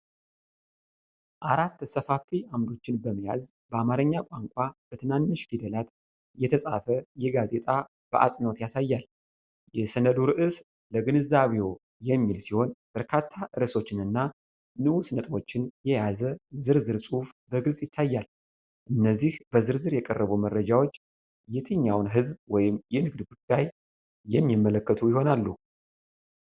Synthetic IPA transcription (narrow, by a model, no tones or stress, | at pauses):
ʔaɾat̪ːsəfafiʔamd̪o̞t͡ʃːɪnbəməja̰zbəamaɾəɲːakʷʼaŋkʷʼab̥ət̪ʰɨnanːɨʃɡid̪əlat̪ | jɛt̪ʰəsʼa̰fəjɛɡaze̞t̪ʼa | b̥əʔa̰sʼnot̪jasajːal | jɛsənəd̪uɾɨʔɨs | ləɡɨnɨzaβeo | jɛmːilsiho̞nb̥əɾkʰat̪ʰːaʔɨɾəso̞t͡ʃːɪnɨnːa | nɨʔusnət̪ʼbo̞t͡ʃːɪnjɛjazəzɨɾzɨɾsʼufbəɡɨlsʼjɪt̪ʰːajːal | ʔɨnːəzːihb̥əzɨɾzɨɾjɛkʼərːəβumərːəd͡ʒawot͡ʃː | jɛt̪ʰəɲːawnɦɨzbwɔjɪmjɛnɨɡd̪ɡud̪̥ːaj | jɛmːimːələkːət̪ʰujɪho̞nalːu